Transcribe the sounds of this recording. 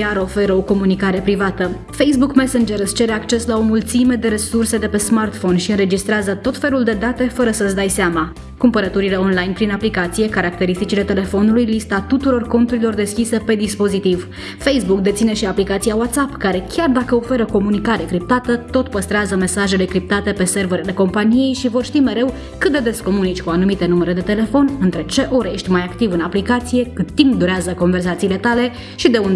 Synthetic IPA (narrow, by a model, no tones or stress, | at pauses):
aɾo̞fe̞ɾəo̞ko̞munikaɾe̞pɾivat̪ə | fe̞js̬bukmesend͡ʒeɾzt͡ʃe̞ɾe̞akt͡ʃe̞slao̞mult̪sime̞d̪e̞ɾe̞surse̞d̪e̞pe̞smart̪fo̞nʃiɨnɾe̞d͡ʒist̪ɾeazət̪o̞t̪fe̞luld̪e̞d̪at̪e̞fəɾəsəsd̪ajseama | kumpəɾət̪uɾile̞o̞nlajnpɾinaplikat̪sije̞kaɾak̚t̪e̞ɾist̪it͡ʃile̞t̪e̞le̞fo̞nulujlist̪at̪ut̪uɾo̞rko̞nt̪uɾilo̞rd̪e̞skʲise̞pe̞d̪ispo̞zit̪iv | fe̞jsbuk̚d̪e̞t̪sine̞ʃiaplikat̪sijawat̪sapkaɾe̞kʲard̪akəo̞fe̞ɾəko̞munikaɾe̞kɾip̚t̪at̪ət̪o̞t̪pəst̪ɾeazəme̞saʒe̞lekɾip̚t̪at̪e̞pe̞se̞rvəɾile̞ko̞mpanije̞jʃivo̞rʃt̪ime̞ɾe̞w | kɨt̪̚d̪ed̪e̞sko̞munit͡ʃʲkuanumit̪e̞numeɾe̞d̪e̞t̪e̞le̞fo̞nʲɨnt̪ɾe̞t͡ʃe̞ʔo̞ɾjeʃt̪ʲmajakt̪ivɨnaplikat̪sije̞kɨt̪ːimp̚d̪uɾeazəko̞ɱve̞rs̬at̪siːle̞t̪ale̞ | ʃid̪e̞und̪